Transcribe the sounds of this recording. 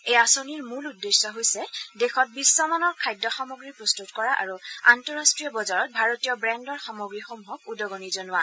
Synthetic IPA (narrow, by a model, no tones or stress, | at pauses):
ejasoniɹmuludːesɔɦojsɛdexɔt̚bisːɔmanɔɹkʰajdːɔxɔmoɡɹipɹɔstutkɔɹaʔa̰ɹuantɔɹastɹijɔbɔzaɹɔt̚bʱaɹotijɔbɹɛndɔɹxɔmoɡɹixomuɦɔkudɔɡɔnizɔnʊwa